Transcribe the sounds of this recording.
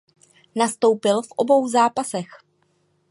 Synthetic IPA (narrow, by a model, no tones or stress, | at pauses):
nast̪o̞wpɪlfʔo̞bo̞wzaːpasɛx